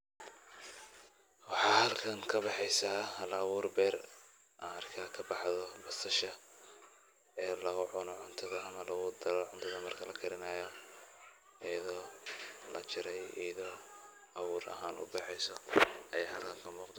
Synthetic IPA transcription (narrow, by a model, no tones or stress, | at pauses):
wɑħɑːhɐlkʰɐŋkʰɐbɑħɛjsaːhɐlawuːrbɛːr | ʔaɐrkʰakʰɐbɑħðɔbɐsɐʃɐ | ɛːlɐɣʊʕʊnɔʕʊnt̪ʰɐðɐɐmɐlɐɣʊd̪ɐlɔʕʊnt̪ʰɐðɐmɐrkʰɐlɐkʰɐɾɪnaːjɔ | ʔijɐðɔːlɐ̰t͡ʃɪɾɛjḭjɐðɔː | ʔɐwuːɾɐ̰ɦaːnʔʊ̰bɑħɛjsɔɐjaːhɐlkʰɐŋkʰɐmuːqd̪